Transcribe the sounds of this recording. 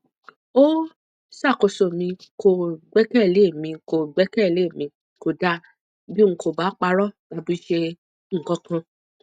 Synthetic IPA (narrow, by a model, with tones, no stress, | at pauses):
o˦ | sa˦˨ko˨˧so˨mĩ˧ko˨ɡ͡bɛ˦kɛ˦˨le˨˦˨mĩ˧ko˧˨ɡ͡bɛ˦kɛ˦˨le˨˦˨mĩ˧ | ko˨da˦˨ | bi˦ŋ̩̃˧ko˨ba˨˦k͡pa˧ɾɔ̥˦˨a˨˧bu˦i˦ʃe˧ | ŋ̩˦˨kɔ̃˨˧˦kã˧